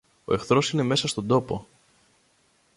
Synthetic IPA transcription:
o̞e̞xθɾo̞sine̞me̞sɐst̪o̞nd̪o̞po̞

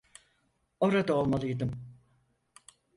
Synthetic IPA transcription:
o̞ɾad̪aolˠmalˠɯjd̪ɯm

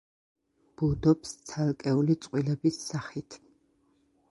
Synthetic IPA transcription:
b̥ud̪ɔpst̪sʰalˠkʼɛulit̪sʼqʼwilɛbisːaχit̪ʰ

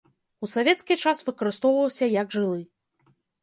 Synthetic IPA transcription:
usavʲɛt̪skʲit͡ʂasvɨkɐɾɨst̪ɔwvɐwsʲɐjɐɡʐɨlˠɨ

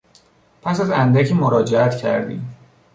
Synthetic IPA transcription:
pʰæsæzænd̪æcʰiːmoɾɒːd͡ʒeæt̪cʰæ̰ɾd̪ḭːm

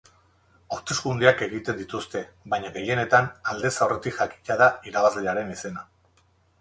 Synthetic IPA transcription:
oɾt̪e̞skund̪eake̞ɣit̪e̞nd̪it̪ust̪e̞βajɲaɣe̞je̞ne̞t̪anald̪e̞saore̞t̪iʝaki̥caðaiɾaβazleaɾe̞nise̞na

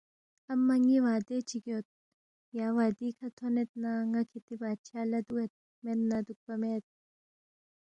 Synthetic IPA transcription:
ɐmːɐŋiʋaːd̪et͡ʃʰiɡjot̪̚ | jaːʋaːd̪iːkʰɐt̪ʰonet̪̚naŋɐkʰit̪ibaːt̪̚t͡ʃʰaːlɐd̪uet̪̚ | met̪nɐd̪uk̚pɐmeːt̪̚

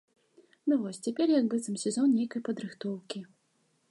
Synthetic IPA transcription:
nuvɔsʲt͡sʲɛpʲɛrjɐɡbɨɛt̪sɨmsʲɛzɔnnʲejkɐjpɐd̪ɾɨxt̪ɔwkʲi

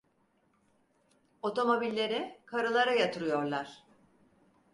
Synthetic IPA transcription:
o̞t̪ʰo̞mo̞bilʲːe̞ɾɪkʰaɾɯlˠaɾajat̪ʰɯɾɯjo̞ɾlˠaɾ̥

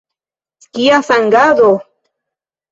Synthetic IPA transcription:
skiaθaŋɡaðo

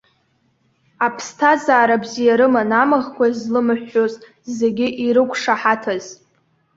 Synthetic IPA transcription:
apʰstʰazaːɾabzijaɾɨmanamaʁkʷazlɨmɨħʷːoz | ze̞ɡʲɪʔiɾɨkʷʰʂaħatʰaz̥

